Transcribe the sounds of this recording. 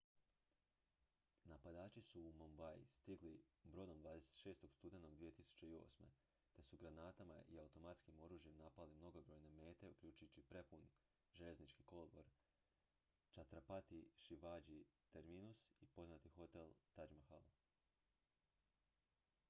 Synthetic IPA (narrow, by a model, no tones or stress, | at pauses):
napad̪aːt͡ʃisuːmombajist̪iɡlibɾo̞d̪o̞md̪ʋaːd̪e̞se̥t̪ʃeːst̪o̞ɡ̥st̪ud̪enoɡd̪ʋije̞t̪isu̥t͡ɕe̞io̞̰ːsme̞̰ | t̪e̞suɡɾanaːt̪ama̰ʔḭawut̪o̞mat̪skimo̞ɾuːʒje̞mnapalimno̞ɡo̞bɾo̞jne̞me̞ːt̪e̞ukʎʲuːt͡ʃujut͡ɕipɾe̞pun | ʒe̞ʎe̞znit͡ʃkiko̞loboɾ | t͡ʃat̪ɾapat̪iʃiʋad͡ʒit̪e̞ɾminusipo̞znat̪ixo̞t̪e̞lˠt̪ad͡ʒmaxalo